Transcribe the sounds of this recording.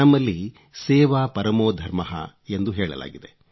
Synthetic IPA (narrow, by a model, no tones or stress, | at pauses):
ɐmːɐlːi | sɛːʋaːpɐɾɐmoːd̪ʱɐɾmɐɦɐ̰ | end̪uɦɛːɭɐ̰la̰ːɡid̪e